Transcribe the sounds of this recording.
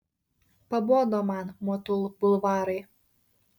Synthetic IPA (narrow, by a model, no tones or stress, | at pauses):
pɐboːd̪omɑnmuɔt̪ʊlˠbʊlˠʋɑːɾɐj